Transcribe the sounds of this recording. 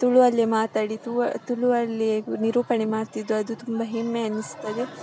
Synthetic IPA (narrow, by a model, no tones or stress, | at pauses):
t̪uɭuɐlːimaːt̪aːɽit̪ut̪uɭuɐlːiniɾuːpɐɳe̞maːɾt̪id̪ːuɐd̪ut̪umbɐɦemːeɐnːist̪ːɐd̪e